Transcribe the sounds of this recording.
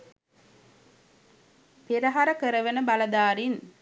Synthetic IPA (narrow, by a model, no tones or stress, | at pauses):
peɾɐɦaɾəkəɾəʋenəbalɐd̪aːɾin